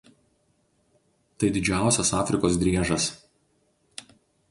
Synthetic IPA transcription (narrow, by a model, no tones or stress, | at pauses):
t̪ɐɪd̪ʲɪd͡ʒʲæˑʊsʲɛsɑːfʲɾʲɪkoːs̬d̪ʲɾʲiɛʒɐs